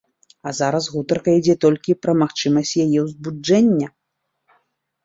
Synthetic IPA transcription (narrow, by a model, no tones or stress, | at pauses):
ɐzaɾɐsɣut̪ɐrkɐid͡zʲɛt̪ɔlʲkʲipɾɐmaxt͡ʂɨmɐsʲt͡sʲjajɛwzbuɛnʲːɐ